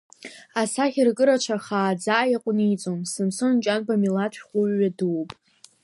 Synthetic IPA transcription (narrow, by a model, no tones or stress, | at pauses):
asaχʲirkʼɨɾat͡ʃʷʰaχaːd͡zaʔjaqʷʼʊnit͡sʼomsɨmsɨnnt͡ʃʼanbamilatʷʰᶣχʷʊɥːadɨwpʼ